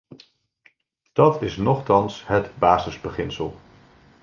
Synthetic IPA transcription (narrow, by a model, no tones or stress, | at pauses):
d̥ɑtɪsnɔχtɑnsɦədbaːzɪzbəχɪnsəlˠ